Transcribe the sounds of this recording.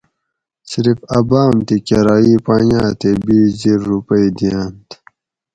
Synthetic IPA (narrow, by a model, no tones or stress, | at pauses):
siɾifɐbaːmt̪ikeɾaːipaːjaːt̪ebiːziɾːupəid̪ijant̪